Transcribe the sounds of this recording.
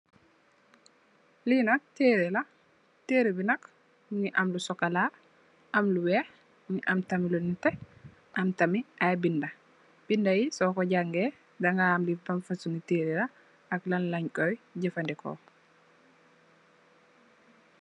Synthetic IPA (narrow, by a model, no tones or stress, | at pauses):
linak̚teːɾɛla | teːɾebinɐk | mɲiʔamlusɔkala | ʔamluwɛː | ɲiʔamtamilunitɛ | ʔamtamiajbinda | b̥indajisɔkɔɟaŋɡɛ | daŋɡaːmlibanfasuniteːɾelaː | klanlaɲkɔjɟɛfandɛkɔ̰